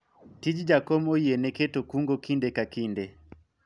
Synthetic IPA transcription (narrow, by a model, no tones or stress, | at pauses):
tid͡ʒid͡ʒakɔmɔiɛnɛkɛtɔkuŋɡɔkindɛkakindɛ